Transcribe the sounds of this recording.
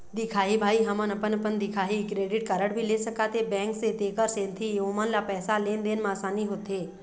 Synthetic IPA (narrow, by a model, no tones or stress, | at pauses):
d̪ɪkʰaːɦibʱaːiɦɐmənəpənəpənd̪ɪkʰaːɦikɾeːɖɪʈkəɾəɽbʱileːsəkaːt̪ebɛ̃ːŋkset̪eːkəɾsẽːnt̪ʰiomənlapɛːsaleːnd̪eːnmãːsaːniɦoːt̪eː